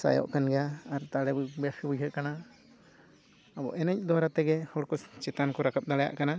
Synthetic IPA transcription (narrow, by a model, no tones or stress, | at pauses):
sa̰jɔ̰ʔkanɡjaːɾt̪aɽɛbbɛpibud͡ʒʱɦəʔ̪̚kana | abɔ̰ʔɛnɛc̚ˀd̪waɾat̪ɛɡɛhɔɽkɔt͡ʃɛt̪ankɔɾakap̚d̪alɛja̰ʔkana